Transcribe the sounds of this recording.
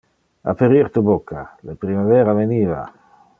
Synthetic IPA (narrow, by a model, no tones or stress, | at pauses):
a̰peɾiɾt̪ubokːalepɾimavɛːɾaveniːva̰